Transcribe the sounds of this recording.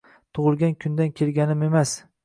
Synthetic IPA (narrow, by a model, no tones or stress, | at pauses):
t̪ʰʊʁɨlˠɡʲankʲʰʊnd̪ankʲʰe̞lɡʲanɪme̞mas